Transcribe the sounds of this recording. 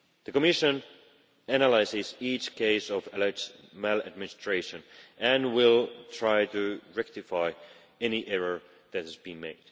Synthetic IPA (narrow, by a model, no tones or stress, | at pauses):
ðɨkɔmɪʃɨ̃n | ænəlaɪsɪzit͡ʃkʰeɪsɔvɨlmalˠɨ̰d̚mɪ̃nɨstɹ̥eɪʃɨ̃nʔɨ̃nwɪlˠtʰɹ̥aɪtɨɹɛk̚tɨfaɪ | ɛniʔɛɹə˞ | ðɨt̚hɨzbĩnmeɪd̥